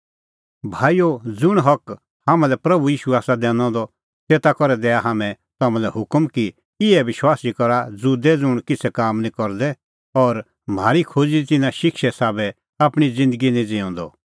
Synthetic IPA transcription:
bʱaːijod͡zʊɽ̃ɦɐk | haːmãlɛpɾɐbujiːʃuaːsad̪ɛ̃ːnɔ̃d̪ɔ | teːt̪akɔɾɛd̪ɛːaɦaːmɛ̃ | t̪aːmãlɛhʊkmki | ɪɛʋɪʃwaːsikɔɾad͡zʊd̪ɛd͡zʊɽ̃kɪt͡sʰɛkaːmnĩkɔɾd̪ɛ | ɔːɾ | m̤aːɾikʰoːd͡ziit̪ɪnãʃɪkʃɛsaːbɛ | aːpɽ̃id͡zɪ̃nd̪əɡinĩd͡zɪɔ̃ːnd̪ɔ̰

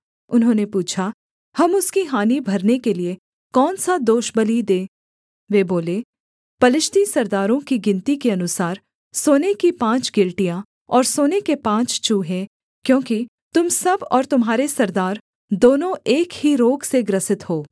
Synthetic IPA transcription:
ʊnɦõːnepuːt͡ʃʰa | hɐmʊskiɦaːnibʱɐɾnekelie | kɔːnsad̪oːʃbɐlid̪eː | ʋeːboːle | pɐlɪʃt̪isɐɾd̪aːɾõkiɡɪ̃nt̪ikeɐnʊsaːɾ | soːnekipãːt͡ʃɡɪlʈijã | ɔːɾsoːnekepãːt͡ʃt͡ʃuːɦɛ̃ː | kjõːki | t̪ʊmsɐbɔːɾt̪ʊmɦaːɾesɐɾd̪aːɾ | d̪oːnõeːkhiɾoːɡseɡɾɐsɪt̪hoː

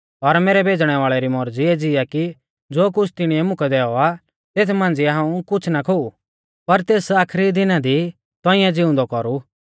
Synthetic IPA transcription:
ɔɾmeːɾɛbʱeːd͡zɽ̃ɛʋaːɭɛɾimɔɾd͡ziɛd͡zɪaki | d͡zoːk̬ʊt͡ʃʰt̪ɪɽ̃iɛmʊkɛd̪ɛːɔa | t̪eːt̪ʰmãːnd͡ziɦãːũkʊt͡ʃʰnakʰou | pɐɾt̪eːsaːkʰɾid̪ɪnãd̪i | t̪ɔ̃ːɪ̃jãd͡zɪʊ̃nd̪ɔkɔɾu

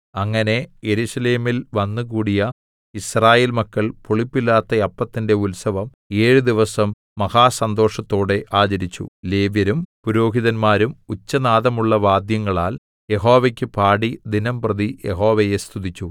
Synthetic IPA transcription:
ɐŋːɐne̞jeɾuɕɐle̞ːmilʋɐnːɨk̬uːɽijɐ | israːje̞ːlmɐkːɐɭpoɭipːilːaːt̪ːɐɐpːɐt̪ːinde̞ulsɐʋɐm | e̞ːɻud̪iʋɐsɐmː | ɐhaːsɐnd̪o̞ːʂɐt̪ːo̞ːɽe̞ʔaːt͡ɕɐɾit͡ɕːṵle̞ːʋjɐɾumpuɾo̞ːɦiðɐnmaːɾumut͡ɕːɐnaːðɐmuɭːɐʋaːd̪jɐŋːɐɭaːl | jeɦo̞ːʋekʲːɨpaːɽid̪inɐmprɐðijeɦo̞ːʋeje̞st̪ʰuðit͡ɕːu

